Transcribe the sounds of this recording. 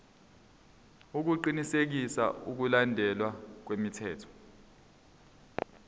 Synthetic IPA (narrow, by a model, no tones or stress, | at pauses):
uk̬uǃinisek̬isa̰uk̬ulandʱɛlwak̬wemitʰɛːtʰɔ̥